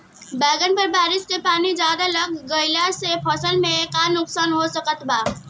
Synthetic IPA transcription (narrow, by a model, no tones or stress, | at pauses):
bɛːɡənpɐɾbaːɾɪskepaːnid͡ʒjaːd̪alɐɡːəɪlasepʰɔːsənmẽeːkaːnːʊksaːnɦosɐkət̪baː